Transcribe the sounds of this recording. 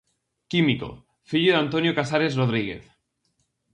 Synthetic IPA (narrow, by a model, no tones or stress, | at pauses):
kimiko̰ | fiʎoðant̪onjokasaɾezroð̞ɾiɣḛθ